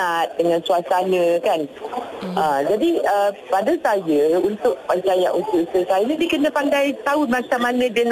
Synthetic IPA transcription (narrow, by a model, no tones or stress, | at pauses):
at̪̚dəŋãnsuasanə̃kanʔəd͡ʒadiəpadasajəunt̪ʊʔ̚pəd͡ʒajaʔut̪uʔsəsajənĩdiəkənə̃pandajt̪aumãt͡ʃamanə̃dən